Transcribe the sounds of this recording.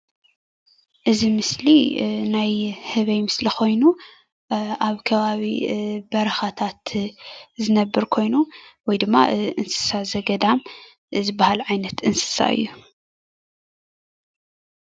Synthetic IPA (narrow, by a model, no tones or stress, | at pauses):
ʔɨzimɨslinajhɨβɐjmɨslixo̞jnu | ʔaβkʰɐβaβibɐɾɐxat̪ʰat̪ | zɨnɐbːɨɾkʰo̞jnuwɔjd̪ɨmːa̰ʔɨnsɨ̥sazɐɡɐd̪am | zɨbahalʕajnɐt̪ɨnsɨ̥sa̰ɨ̰jːu